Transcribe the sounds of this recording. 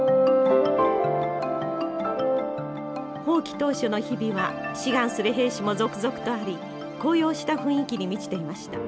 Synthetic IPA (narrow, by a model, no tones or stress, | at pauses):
ho̞ːkʲi̥t̪o̞ːɕo̞no̞çibʲiβaɕiɡãɰ̃sɨɾɯɦe̞ːɕimo̞zo̞kɯ̟zo̞kɯ̟̥t̪o̞aɾʲi | ko̞ːjo̞ːɕi̥t̪aɸɯ̟̃ɰ̃ikʲiɲ̟imʲit͡ɕi̥t̪e̞imaɕi̥t̪a̰